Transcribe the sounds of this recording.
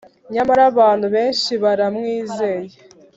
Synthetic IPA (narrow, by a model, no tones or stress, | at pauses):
ɲamaɾaβaːnhuβe̞ːnʃiβaɾamŋiːzeːje